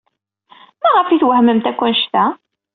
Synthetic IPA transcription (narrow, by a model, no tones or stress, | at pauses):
mæʁəfiθwəhməmt̪ækʷːənʃt̪æ